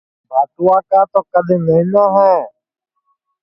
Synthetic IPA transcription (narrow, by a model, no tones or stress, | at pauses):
bʱaːt̪ʊaːkaːt̪oːkəd̪ʱẽːnəĩnãːɦɛ̃ː